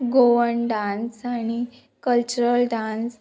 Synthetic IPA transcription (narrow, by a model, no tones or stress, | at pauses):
ɡoʋəɳɖãnsaɽi | kəlt͡ɕuɾəlɖãns